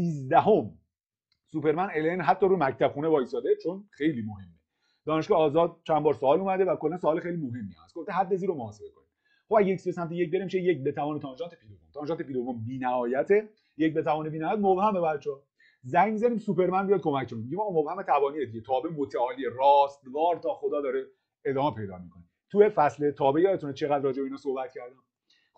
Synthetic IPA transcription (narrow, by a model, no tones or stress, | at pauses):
siːzd̪æɦom | supe̞ɾmænelenɦæt̪ʰːɒːɾumæct̪ʰæb̥χuːnevɒːjisɒːd̪et͡ʃʰonxe̞jliːmohe̞mːe | d̪ɒːne̞ʃkːjːzɒːd̪̚t͡ʃʰænbɒːɾsoɒːluːmæd̪e̞vækolːænsoɒːlexejlimoɦe̞mːiæ̰æ̰skʰoft̪eɦæd̪ːeziːɾomohɒːsebekʰonid̪ | χobæɟeicsbesæmt̪ʰejec̚be̞ɾemiːʃejec̚be̞t̪ʰævɒːnet̪ʰɒːnʒɒːnt̪ʰepʰiːd̪ovomt̪ʰɒnʒɑnt̪ʰeiːd̪ovombiːnæhɒːjæt̪ʰe | jec̚be̞t̪ævɒːnebiːnæhɒːæt̪mobhæmebæɾ̚t͡ʃʰɒː | zæɲmizæɾiːmsupe̞ɾmænbijɒjd̪̚kʰo̞mæcʰkonid̪miɟimɒːɣːmobhæmet̪ʰævɒːnijed̪iɟet̪ʰɒːbemot̪ʰæɒːlierɒːst̪vɒːɾt̪ʰɒːxod̪ɒːd̪ɒːɾe | ed̪ɒːmepʰe̞jd̪ɒ̰ːmikʰone | t̪ʰujefæslet̪ʰɒːbejɒːet̪ʰunet͡ʃʰeɣæd̪ɾrɒːd͡ʒebeinɒːsohbæt̪̚cʰæɾd̪æm